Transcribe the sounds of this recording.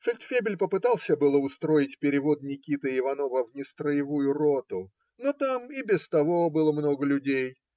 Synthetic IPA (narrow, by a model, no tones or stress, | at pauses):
fʲɪlʲt̪fʲebʲɪlʲpəpɨt̪alˠsʲəbɨlˠəʊst̪ɾo̞jɪtʲpʲɪɾʲɪvo̞d̪nʲɪkʲit̪ɨɪvɐno̞vəvnʲɪst̪ɾəjɪvujʊrot̪ʊ | not̪amɪbʲɪst̪ɐvo̞bɨlˠəmno̞ɡəlʲʉdʲej